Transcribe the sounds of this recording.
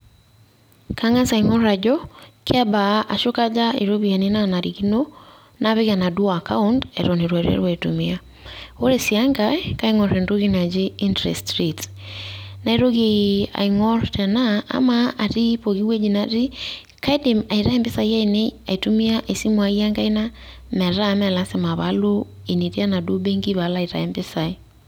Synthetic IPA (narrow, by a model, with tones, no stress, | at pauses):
ka˦ŋa˦sa˨iŋɔɾa˨ɟɔkʰa˦ba˨ʔa˨ʃoka˦d͡ʒa˦ḛ˨ɾoβia˨ninana˨ɾiki˦no | naβe˦ɣana˨du˦akaundɛ̰ɾɔneɾwa˨ɾɛ̰˦ɾwaitumia | o˦ɾesjaŋɡaka˦iŋɔɾɛndo˦ɣina˨d͡ʒeindɾɛ̰stɾit | na˨iɾo˦ɣea̰iŋɔɾtɛ˨na̰ː˦maa˨ɾi˦po˨ɣi˦we˦d͡ʒinaɾi˦ | ka˦ide˨ma˨iɾa˦ɛ˦mbe˦sa˨ia˦ineaitu˦mi˦aʔe˨si˦mwa˨i˦a˦ŋɡa˦i˦namɛ˨ɾa˦mɛlase˨ma˨βalo˦ | e˨ni˨ɾi˦a˦na˨du˦be˦ŋɡi˦βalaiɾa̰˨ɛmbesa˨i